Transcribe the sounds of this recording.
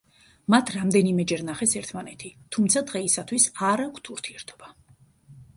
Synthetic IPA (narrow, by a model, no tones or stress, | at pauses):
mat̪ʰɾamd̪ɛnimɛd͡ʒɛɾnaχɛsɛɾt̪ʰmanɛt̪ʰit̪ʰumt̪sʰad̪ʁɛisat̪ʰwisaɾakʷʰt̪ʰuɾt̪ʰiɛɾt̪ʰɔ̥b̥a